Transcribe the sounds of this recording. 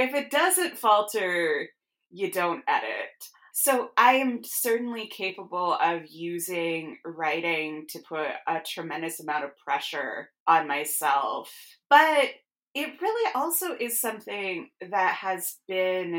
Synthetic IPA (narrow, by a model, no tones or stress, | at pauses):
ɨfɨt̚d̥ʌzɨ̃ntfɔlˠtʰə˞ | jɨdõʊ̃ntɛ̰ɾɪ̰t̚ | soʊʔãɪɨ̃msɜ˞ʔn̩likʰeɪpəbl̩ˠʌvjʉzɪ̃ŋɹaɪɾɪ̃ŋtʰɨpʰʊɾətʰɹ̥ɨmɛ̃ndɨsəmãʊ̃ʌv̥pʰɹ̥ɛʃə̰˞ʔə̃nmaɪsɛ̰lˠf | b̥ʌɾ | ɪt̚ɹɪlˠiʔɔlˠsoʊʔɪz̥sʌ̃mθɪ̃ŋðɨt̚hɨzb̥ɪ̃n